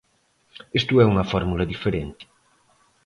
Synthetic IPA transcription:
est̪uɛuŋɐfɔɾmulɐðifeɾent̪i̥

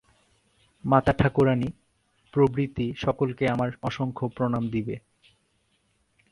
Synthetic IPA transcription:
mat̪aʈʰakuɾani | pɾobɾit̪iʃɔkolkeamaɾɔʃoŋkʰopɾonamd̪ibe

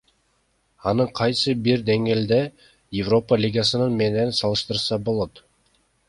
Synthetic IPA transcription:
ɑnɯqʰɑjsɯbiɾd̪e̞ŋɡe̞ːld̪e̞ | jɪvro̞pəlʲiɡasɯnɯnme̞ne̞nsɑlˠɯʃt̪ɯɾsɑbo̞lˠo̞t̪

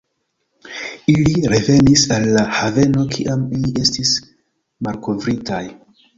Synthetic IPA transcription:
iliɾe̞ve̞nisalːahave̞no̞kʰiʔamiliʔe̞stis | malko̞vɾitaj

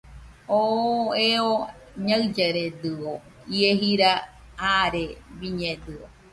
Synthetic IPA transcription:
oeo | ɲaɨd͡ʒeɾed̪ɨo | ieɦiɾa | aɾebiɲed̪ɨo̰

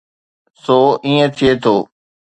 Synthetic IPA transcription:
soːĩːə̃t̪ʰɪjeːt̪ʰoː

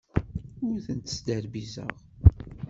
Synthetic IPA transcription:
ʊɾθənt̪ə̥sd̪əɾbizə̰ʁ

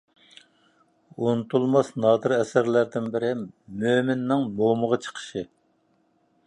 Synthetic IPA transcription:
onɨt̪ʰulˠmɑsnɑːd̪ɨɾɛsæɾlæɾd̪ɪnbɪɾɪmøːmɪnːɪŋmoməʁɑt͡ʃʰə̥qʰə̥ʃɨ

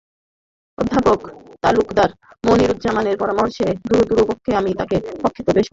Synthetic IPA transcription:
o̰d̪ʱːapokt̪alukd̪aɾ | moniɾud̪d͡ʑamaneɾpɔɾamoɾʃed̪uɾod̪uɾopokʰːeamit̪akepokʰːit̪obeʃ

